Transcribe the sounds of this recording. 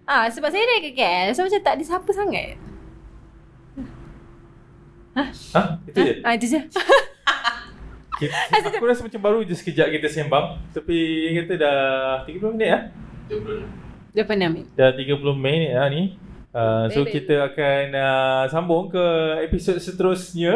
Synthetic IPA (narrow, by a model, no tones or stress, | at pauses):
ʔasəbapsajədakəkɛlsomat͡ʃamt̪aʔdisapəsaŋa̰t̪̚ | ahahit̪ud͡ʒəait̪ud͡ʒə | kisakuɾasmat͡ʃambaɾud͡ʒasə̥kəd͡ʒaʔkit̪əsembaŋt̪apikat̪ədaht̪iɡəpulʊminət̪̚ahp | dapanamidaht̪iɡəpulomenət̪̚ahni | əsokit̪əakanəsambʊŋkəepisot̪̚sət̪əɾʊsɲə̃